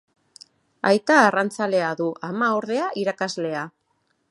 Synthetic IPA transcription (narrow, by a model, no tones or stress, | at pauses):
a̰jt̪aːrant͡sale̞aðuʔamaoɾðe̞aʔiɾakazle̞a